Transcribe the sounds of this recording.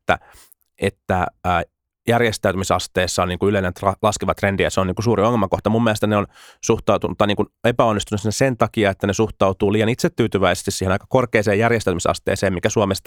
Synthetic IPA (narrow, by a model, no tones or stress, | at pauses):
t̪ːæ̰ | et̪ːæː | jærjest̪æyt̪ymisɑst̪eːsːɑoniːŋkuyleilːent̪ɑlɑskiʋɑt̪rendiæseoniːŋkusuːɾioŋːelmɑkoht̪ɑmumːielest̪æneonsuht̪ɑut̪unt̪ːɑniːkunepæonːist̪unːusinːæsent̪ɑkiɑet̪ːænesuht̪ɑut̪uːliːjɑnit̪set̪ːyːt̪yʋæise̥st̪isiːhenɑikɑ̥korkeːseːjærjest̪æˑyt̪misɑ̰st̪ḛːseːmmikæsuomest̪